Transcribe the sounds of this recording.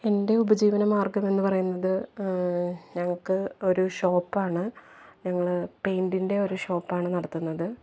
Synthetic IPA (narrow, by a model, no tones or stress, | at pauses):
e̞nde̞ubɐd͡ʑiːʋɐnɐmaːrɡɐme̞nːɨpɐrɐjunːɐðɨ | ɲɐŋːɐɭkɨo̞ɾuɕo̞ːpːaːɳɨɲɐŋːɐɭpe̞jndinde̞o̞ɾuɕo̞ːpːaːɳɨnɐɽɐt̪ːunːɐðɨ